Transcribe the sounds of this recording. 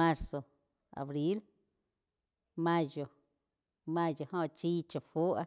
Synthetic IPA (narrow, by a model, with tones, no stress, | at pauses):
a˧ɾso˨ | a̰˨bɾi˦l | mã˦d͡ʒo˨ | mã˦˧d͡ʒo˨hõ˧˨t͡ʃi˦t͡ʃa˨fu˦a˧